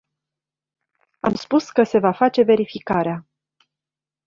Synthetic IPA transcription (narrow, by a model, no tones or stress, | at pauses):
a̰mspuskəse̞vafat͡ʃe̞ve̞ɾifikaɾea